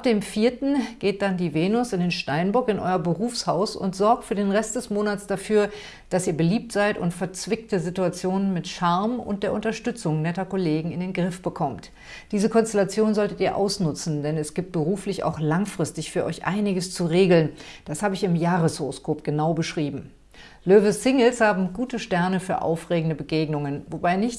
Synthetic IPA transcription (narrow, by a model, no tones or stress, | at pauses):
ap̚d̥eːmfiːɐtn̩ɡ̥eːt̚d̥andiːveːnʊsɪndeːnʃtaɪnbʊɐkɪnʔɔ̰ʏɐbəʁuːfshaʊsʊ̰ntz̥ɔɐk̚tfyːɐdeːnʁɛst̚d̥ɛsmoːnat͡sd̥afyːɐ | d̥asiːɐbəliːp̚tz̥aɪtʊ̰ntfɛɐt͡sv̥ɪk̚təzituat͡sjoːnənmɪtʃaɐmʊ̰nt̚d̥eːɐʔʊntɐʃtʏt͡sʊŋnɛtɐkoleːɡŋ̩ɪndeːnɡʁɪfb̥əkʰɔmt | d̥iːzəkʰɔnstelat͡sjoːnzɔltətiːɐʔa̰ʊsnʊt͡sn̩dɛnɛsɡ̥iːp̚t̚b̥əʁuːflɪça̰ʊxlaŋfʁ̥ɪstɪçfyːɐʔɔ̰ʏçʔa̰ɪnɪɡəst͡suʁeːɡl̩nd̥ashaːbəɪçɪmjaːʁəshoʁoskʰoːp̚ɡ̥ənaʊbəʃʁ̥iːbm̩ | løːvəsɪŋl̩shaːbm̩ɡuːtəʃtɛɐnəfyːɐʔa̰ʊfʁ̥eːɡŋ̩dəbəɡeːɡnʊŋənvobaɪnɪç